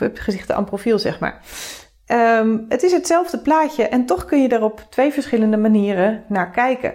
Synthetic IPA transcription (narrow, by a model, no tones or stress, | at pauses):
əpχəzɪχtəa̰nprofilˠzɛ̰χma̰ːɹ | əətɪsɦətsɛlˠvdəplaːcəʔɛntɔχkɵnjədaːɹrɔptʋejvəɹsχɪləndəmaniːrənaːɹkɛjkə̰